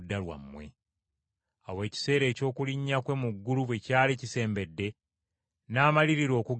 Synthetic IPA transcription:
dːalwa̰mːwe̞̰ | a̰we̞ːci̥se̞ːɾe̞ːco̞ːkuliɲːakwe̞muɡːuluβwecaːlecise̞ːmbe̞dːe̞ | naːmaliɾiɾo̞ːku

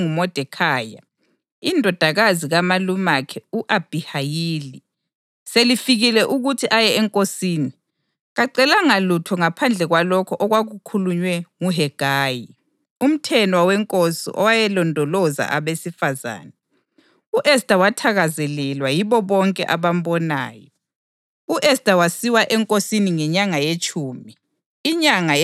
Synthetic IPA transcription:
ŋumɔd̥ʱɛkʰaːja̰ | indʱɔd̥ʱaɣaziɣamalumakʰɛuʔab̥ʱihajiːli | selifiɣilɛʔuɣutʰiʔajɛɛŋkʼosiːni | ɣaǀɛlaŋalutʰɔŋapʰand͡ɮʱɛɣwalɔkʰɔʔɔɣwaɣukʰuluɲwɛŋuɦɛɡ̥ʱaːji | um̩tʰɛnɔwawɛŋkʼosḭʔɔ̰wajɛlɔndʱɔlɔza̰ʔaβesifaza̰ːnɛ | uʔɛstʼawatʰaɣazɛlɛlwajiβɔβɔŋkʼɛ̰ʔaβam̩bɔna̰ːjɔ | uʔɛstʼawasiwaʔɛŋkʼosiniŋɛɲaŋajet͡ʃʼuːmiː | ɲaŋa

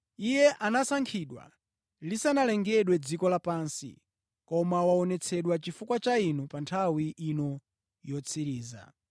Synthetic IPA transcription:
ijɛʔanasaŋkʰiɗwa̰ | lisanalɛŋɡɛɗwɛd͡zikɔlapansḭ | kɔmawaɔnɛt͡sʰɛɗwat͡ʃifukwat͡ʃainupantʰawiʔinɔ | jɔt͡sʰiɾiːza̰

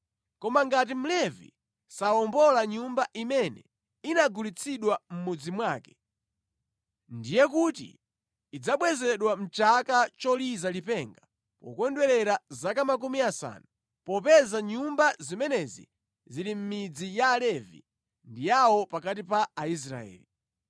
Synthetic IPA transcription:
kɔmaŋɡat̬im̩lɛvḭ | saɔmbɔlaɲumbaʔimɛnɛ̰ | inaɡulit͡sʰiɗwam̩mud͡zimwaːkɛ̥ | ndijɛk̬utḭː | d͡zaɓwɛzɛɗwam̩t͡ʃakat͡ʃɔlizalipɛŋɡa | pɔ̰kwɛndwɛlɛɾazakamak̬umiasa̰ːnu | pɔpɛzaɲumbazimɛnɛzḭ | zilim̩mid͡zijaːlɛvḭ | ndijawɔpakat̬ipaːis̬ɾa̰ɛ̰ːli

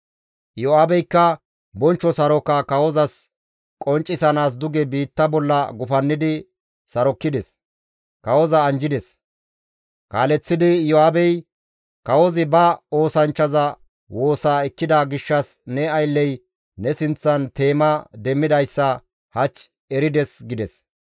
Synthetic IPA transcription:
jɔaːbɛjkːɐ | bɔnt͡ʃːɔsɐɾɔkːɐkɐwɔzɐs | kʼɔnt͡ʃʼːɪsɐnaːs̬d̪ʊɡɛbiːt̪ːɐbɔlːɐɡʊfɐnːɪd̪ɪ | sɐɾɔkːɪd̪ɛs | kɐwɔzɐːnd͡ʒɪd̪ɛs | kaːlɛt͡sːɪd̪ɪjɔaːbɛj | kɐwɔzɪbɐo̞ːsɐnt͡ʃːɐzɐ | wo̞ːsaːɛkːɪd̪aɡɪʃːɐsnɛɐjlːɛj | nɛsɪnt͡sːɐnt̪e̞ːmɐd̪ɛmːɪd̪ɐjsːɐ | hɐt͡ʃ | ɛɾɪd̪ɛsɡɪd̪ɛs

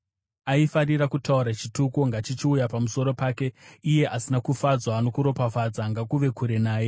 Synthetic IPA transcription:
aifariɾakutauɾat͡ʃitukoŋɡat͡ʃit͡ʃiujapamuso̞ɾo̞paːke̞ije̞ʔasinakufad͡zwaːno̞kuɾo̞pafad͡zaŋɡakuʋe̞kʰuɾe̞naːje̞

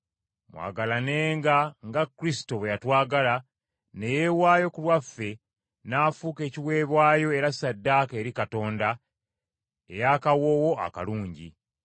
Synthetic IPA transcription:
mwa̰ːɡalane̞ːŋɡaŋɡakːɾisi̥towejatwaːɡala | ne̞jewaːjo̞kulwafːe̞ | naːfuːke̞ːciwe̞ːβwaːjo̞e̞ɾasadːaːke̞ːɾikato̞ːnda | e̞̰jakawo̞ːwo̞a̰ka̰luːɲɟḭ

